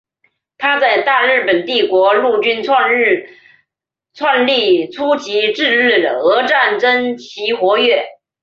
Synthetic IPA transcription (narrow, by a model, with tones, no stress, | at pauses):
t̪ʰa˥t͡sa˥˧ɪt̪a˥˧ɻɻ̩˥˩pə˨˩nt̪i˥˩kwɔ˧˥lu˥˩t͡ɕy˥nt͡sʰ | t͡sʰwa˥˧nli˥˩t͡sʰu˥t͡ɕi˧˥ʈ͡ʂɻ̩˥˧ɻɻ̩˥˩d̪ə˩ɤ˧˥ʈ͡ʂa˥˩nʈ͡ʂə˥nt͡ɕʰi˧˥xwɔ˧˥ɥɛ˥˩